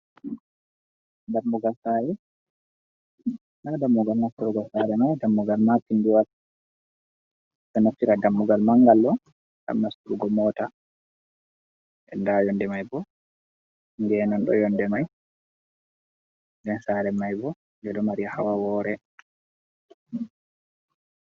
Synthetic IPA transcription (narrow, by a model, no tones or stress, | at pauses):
damːuɡalsaɾɛ | nadamːuɡalnastuɾuɡɔsaɾɛmajdamːuɡalmapinduwat | sɔnoftːiɾadamːuɡalmaŋɡalːɔ | da̰mnastuɾuɡɔmɔːta | ʔɛ̰ndajɔndɛmajbɔ | ŋɡɛnɔnɗɔ̰jɔndɛmaj | ndɛnsaɾɛmajbɔ | ŋɡɛɗɔmaɾiahawawɔɾɛ